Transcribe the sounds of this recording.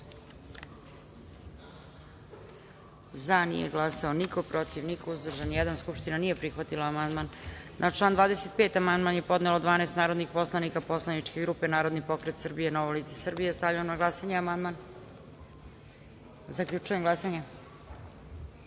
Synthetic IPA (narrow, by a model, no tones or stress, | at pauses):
zanḭjeɡlˠasaonikopɾo̞t̪iʋnikouzd̪r̩ʒanjɛd̪anskupʃt̪inanije̞pɾixʋat̪ilaːmand̪manːat͡ʃlˠaːnd̪ʋaːd̪e̞se̞t̪̚peːt̪amand̪manjepo̞d̪nelod̪ʋaːnest̪naːɾo̞d̪nixpo̞slˠanikapo̞slˠanit͡ʂkeɡɾupenaːɾo̞d̪nipo̞kɾet̪sr̩bijenoʋolit̪se̥srbijest̪avʎaomnaɡlˠasaɲeamand̪man | zakʎut͡ʃujemɡlˠasaɲe